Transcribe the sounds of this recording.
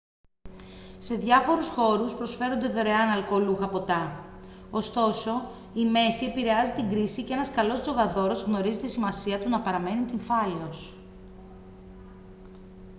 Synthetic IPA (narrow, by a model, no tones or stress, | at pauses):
se̞ðʝɐfo̞ɾusxo̞ɾuspɾo̞sfe̞ɾond̪e̞ðo̞ɾe̞ɐnɐlkoluxɐpo̞t̪ɐ | ost̪o̞so̞ | ime̞θie̞piɾe̞ɐzit̪iŋɡɾisicee̞nɐskɐlo̞zzo̞ɣɐðo̞ɾo̞zɣno̞ɾizit̪isimɐsiɐt̪unɐpɐɾɐme̞nint̪iɱfɐleos